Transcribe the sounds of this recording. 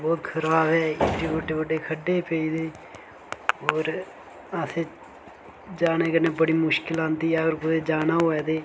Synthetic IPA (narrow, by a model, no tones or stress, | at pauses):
bɔːt̪kʰəɾaːbɛːɪʈiːbəɖːeːbəɖːeːkʰəɖːeːpəiːd̪eː | oːɾ | əseː | d͡ʒaːneːkəneːbəɽiːmʊʃkɪlãːnd̪iːəɡəɾkʊeːd͡ʒaːnaːoːɛːd̪eː